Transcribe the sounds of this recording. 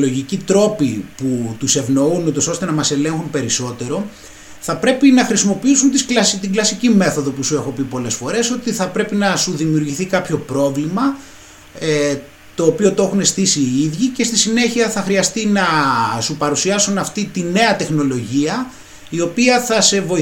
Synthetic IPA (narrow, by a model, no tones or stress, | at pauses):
loʝicit̪ɾo̞piput̪use̞vno̞unut̪o̞so̞st̪e̞nɐmɐse̞le̞ŋxunpe̞ɾiso̞t̪e̞ɾo̞ | θɐpɾe̞pinɐxɾisimo̞piisunt̪isklɐst̪iɡlɐsicime̞θo̞ðo̞pusue̞xopipo̞le̞sfo̞ɾe̞so̞t̪iθɐpɾe̞pinɐsuðimiuɾʝiθikɐpço̞pɾo̞vlimɐ | e | t̪o̞ːpio̞t̪oe̞xune̞st̪isiːiðʝice̞st̪isine̞çiɐθɐxɾiɐst̪inɐsupɐɾusiɐsunɐft̪it̪ine̞ɐt̪e̞xno̞lo̞ʝiɐ | io̞piɐθɐse̞vo̞